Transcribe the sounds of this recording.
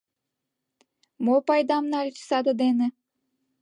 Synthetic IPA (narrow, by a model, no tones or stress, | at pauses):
mopɑjd̪ɑmnɑlʲt͡ɕsɑd̪ɤd̪enĕ